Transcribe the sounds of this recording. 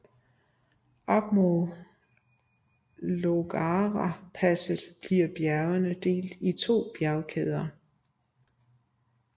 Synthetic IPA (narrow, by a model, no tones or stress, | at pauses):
ʔɒɡ̥mo | loɡ̥ɑʁɑpʰæsəðˠb̥liɐ̰b̥jæɐʊɐnəd̥e̝̰ːld̥it͡sʰo̝̰ːb̥jæɐʊkʰeð̞ˠɐ